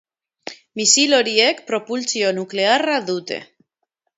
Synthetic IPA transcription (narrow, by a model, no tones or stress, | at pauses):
misiloɾiekpɾopult͡sionuklearaðut̪e̞̰